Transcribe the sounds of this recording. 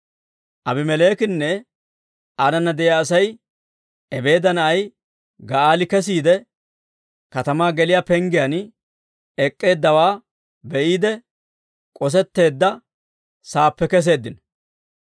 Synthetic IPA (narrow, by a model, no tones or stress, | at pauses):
ʔɐbɪmɛle̞ːkɪnːɛ | anɐnːɐd̪ɛʔjaːsɐj | ɛbe̞ːd̪ɐnɐʔɐj | ɡɐaːlɪkɛs̬iːd̪ɛ | kɐt̪ɐmaːɡɛlɪjapɛŋɡɪjɐn | ɛkʼːe̞ːd̪ːɐwaː | bɛʔiːd̪ɛ | kʼɔs̬ɛt̪ːe̞ːd̪ːɐ | saːpːɛkɛs̬e̞ːd̪ːɪn